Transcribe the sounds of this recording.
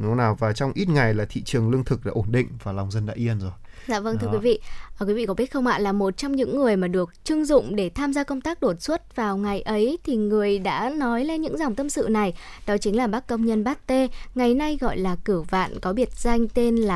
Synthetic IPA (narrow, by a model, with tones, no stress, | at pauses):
nu˨˦naː˨˩wvaː˨˩t͡ɕɔ˧wŋ͡mʔi˦˥t̚ŋa˨˩jlaː˨˩t̪ʰḭ˧˨t͡ɕɨ˨˩əŋlɨ˧əŋt̪ʰɨ˨˩k̚ɗa̰ː˧˥ʔo˧˩nɗḭ̈˧˨ŋ̟vaː˨˩la˨˩wŋ͡mzə˧nɗa̰ː˧˥ʔi˧ənzo˨˩jza̰ː˧˨və˧nt̪ʰɨ˧kwi˧˨˦vḭ˧˨əː˨˩kwi˨˦vḭ˧˨kɔ˨˦ɓi˦˥t̚xə˧wŋ͡mha̰ː˧˨nlaː˨˩mo˨˩t̚t͡ɕɔ˧wŋ͡mɲɨ̰˧˥ŋːɨ˨˩əjmaː˨˩ɗɨ˨˩ək̚t͡ɕɨ˧əŋzʊ̰˧˨ŋ͡mɗe˧˩t̪ʰaː˧mzaː˧kə˧wŋ͡mt̪aː˦˥k̚ɗo˨˩t̚swə˦˥t̚vaː˨˩wŋa˨˩jʔə˨˦jt̪ʰi˨˩ŋɨ˨˩əjɗa̰ː˧˥nɔ˨˦jle˧nɲɨ̰˧˥ŋza˨˩wŋ͡mt̪ə˧msɨ̰˧˨na˨˩jɗɔ˨˦t͡ɕi˨˦ŋlaː˨˩ɓa˦˥kːə˧wŋ͡mɲə˧nɓaː˦˥k̚t̪e˧ŋa˨˩jna˧jɣɔ̰˧˨jlaː˨˩kɨ˧˩əva̰ː˧˨nkɔ˨˦ɓi˧˩ət̚z̥a˧jŋ̟t̪e˧nlaː˨˩